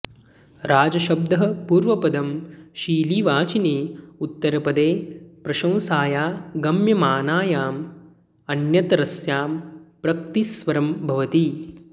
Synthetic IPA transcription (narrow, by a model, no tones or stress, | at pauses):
ɾʔaːd͡ʒɐʃɐb̚d̪ɐɦɐ̆puːɾʋɐpɐd̪ɐmʃiːliːʋaːt͡ʃineːut̪ːɐɾɐpɐd̪eːpɾɐʃɐ̃w̃saːjaːɡɐmjɐmaːnaːjaːm | ɐnjɐt̪ɾɐsjaːmpɾɐk̚t̪isʋɐɾɐmbʱɐʋɐt̪i